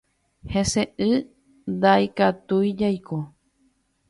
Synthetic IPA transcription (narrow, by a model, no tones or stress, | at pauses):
hẽseʔɨ | nd̪aikat̪ujd͡ʒajko